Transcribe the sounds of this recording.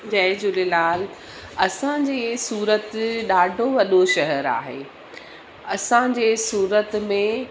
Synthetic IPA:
d͡ʑɐ̃ːɪ̃d͡ʑʊlelaːl | ɐsãd͡ʑeːsuːɾət̪ɗaːɖʱoʋɐɗoʃɐɦəɾa̰ːɦḛː | ɐsãd͡ʑeːsuːɾət̪mẽ

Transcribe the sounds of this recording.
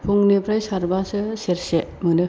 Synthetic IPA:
pʰuŋnipʰɾajsaɾbasɯseɾsemɯnɯ

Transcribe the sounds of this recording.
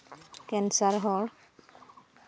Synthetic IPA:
kɛnsaɾɦɔl

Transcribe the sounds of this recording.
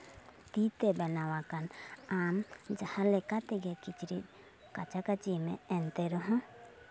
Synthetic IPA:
t̪it̪ebɛnawakanamd͡ʒahãlekat̪ɛɡɛkit͡ʃɾḭt̪̚ | kat͡ʃakat͡ʃimḛ̃ɛnt̪eɾɔɦɔ̃

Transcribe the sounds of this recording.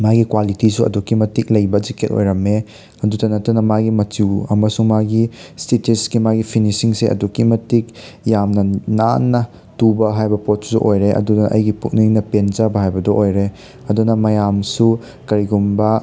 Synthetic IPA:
majɡikwalitisuɐ̰dukimɐtik̚lɐjbɐd͡ʒikʰet̚o̰jɾɐme | ɐdudɐnɐtunɐmajɡimɐtiwɐmɐsuŋmaɡistetisɡimaɡipʰinisiŋseʔɐ̰dukimɐtik̚jamnɐnanːɐ | tubɐɦajbɐpot̚ssɔ̰ʔojɾeʔɐ̰dudɐnɐʔɐ̰jɡipuk̚niŋnɐpenzabɐɦajbɐdɔʔojɾe | ɐdunɐmɐjamsu | kɐɾiɡumbɐ

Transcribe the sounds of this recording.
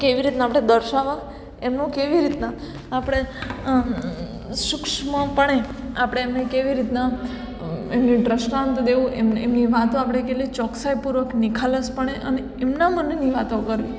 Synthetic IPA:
keʋiɾit̪naapɽ̃ed̪əɾʃaʋã | emnũkeʋiɾit̪naː | pɽ̃e | ʃʊkʃmãpəɳ̃e | apɽ̃eːmnekeʋiɾit̪na | emnĩɖɾəʃɾãnt̪d̪eʋũememniʋat̪õapɽ̃ekelit͡ʃɔksajpuɾʋəknikʰaləspəɳ̃eʔəne | emnamənniʋat̪okəɾʋi

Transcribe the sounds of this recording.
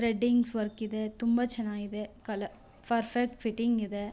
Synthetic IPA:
ɾɛɖːɪŋɡsʋɐɾkɪðɯt̪ʊmbɐt͡ʃɛnːaːɪðɯkɐlɐ | pɐɾfɛk̚ʈfɪʈːɪŋɡɪðɯ

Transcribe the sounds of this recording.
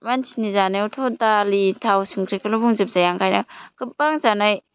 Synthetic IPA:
mansinizanajutʰodalitʰawsuŋkʰɾikɯlubuŋzɯp̚zajaŋkʰajnakɯp̚baŋzanaj

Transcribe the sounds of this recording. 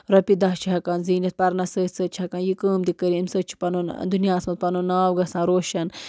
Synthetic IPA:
ɾɐpid̪ɐɦt͡ʃʰiɦɐkaːnziːnʲɐt̪̚pɐɾnɐsəːsəːtt͡ʃʰiɦɐkaːnjikəːmd̪ikəɾimsət͡ʃʰi̥pɐnond̪unjaːɐsmɐt̪̚pɐnonːaːwɡɐsãːɾoːʃɐn

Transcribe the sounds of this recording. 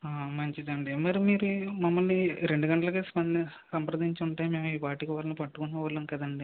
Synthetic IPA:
aːmɐɲt͡ʃid̪ɐɳɖimɐɾimiːɾumɐmːɐlniɾe̞ɳɖuɡɐɳʈɐlɐkeːspɐn | sɐmpɾɐd̪iɲt͡ʃuɳʈaːjime̞ːmuiːpaːɾʈːikiʋaːlɐnipɐʈːukunːɐʋɐlɐnkɐd̪ɐɳɖi

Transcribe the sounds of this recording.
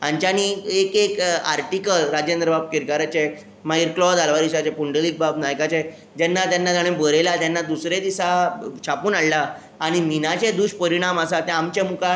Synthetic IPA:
ãnt͡ɕañiekeka̰ɾʈikəlɾad͡ʑend̪ɾəbab̚kiɾkaɾat͡ɕe | maiɾklɔd̪alʋaɾiɕat͡ɕepuɳɖəlik̚babnajkat͡ɕe | d͡ʑɛnːat̪janːat̪aɽ̃ẽbəɾelat̪janːad̪usɾed̪isat͡ɕʰapuːnaɽlaː | ɽ̃iminat͡ɕed̪uɕpəɾiɽ̃aməsat̪ɛ̃amt͡ɕemuka

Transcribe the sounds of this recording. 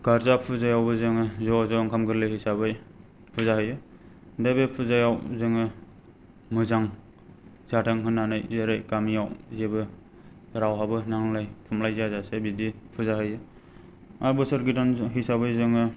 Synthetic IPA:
ɡaɾzapʰuzajawbɯzɯŋɯzɔzɔŋkʰamɡɯɾlɯhisabɯj | pʰuzahɯjɯ | dabepʰuzajawzɯŋɯ | mɯzaŋ | z̥atʰaŋɦɯnːanajzeɾajkamijawzebɯ | ɾawɦabɯnaŋlajkʰumlajzazasebidipʰɯzaɦɯjɯ | aɾbɯsɯɾɡitanɦisabɯjzɯŋɯ

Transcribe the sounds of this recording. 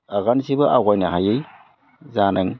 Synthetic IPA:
aɣansibɯʔaɡajnaɦajɯj | zanɯŋ

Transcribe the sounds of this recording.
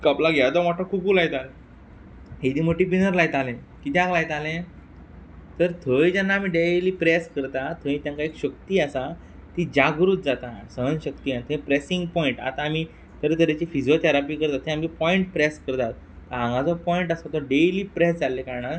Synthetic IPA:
kaplaɡad̪ɔmaʈʰːəkukuːlajt̪al | ɦed̪iːməʈipinəɾlajt̪alẽ | kit̪jãŋɡlajt̪alẽ | t̪əɾt̪ʰəjd͡ʑanːaːm̤iɖeliːpɾɛskəɾt̪at̪ʰəjĩt̪jãŋkaekɕəkt̪iːasa | t̪id͡ʑaɡɾut̪̚d͡zat̪asəɦənɕəkt̪iːat̪ʰẽpɾesĩŋɡpɔiɳʈa̰t̪aːm̤i | t̪əɾt̪əɾjat͡ɕifid͡ʑot̪ʰɛɾapiːkəɾt̪at̪ʰːẽamkipɔiɳʈpɾɛskəɾt̪at̪̚ː | əɾɦãŋɡãt͡sɔpɔiɳʈasat̪ɔɖeliːpɾɛsd͡zalːekaɾɳa

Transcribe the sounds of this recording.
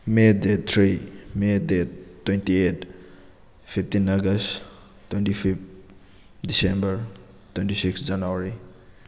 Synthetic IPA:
medet̪ʰɾimedetːwentiet | pʰip̚ʰtinaɡɐst | tːwentipʰip̚ | disembɐɾ | twentisiksd͡ʒanuaɾi

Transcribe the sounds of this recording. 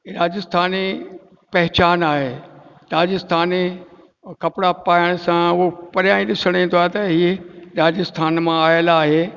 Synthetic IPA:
ɾaːd͡ʑəst̪ʰaːni | pɐɦt͡ɕaːnaːɦeː | ɾaːd͡ʑəst̪ʰaːni | kɐpɽapaːəɽ̃sãʊɦopɐɾjãːĩɗɪsəɽ̃ĩnd̪oaːɦet̪ɐɦieɾaːd͡ʑəst̪ʰaːnmãaːjəlaːɦeː

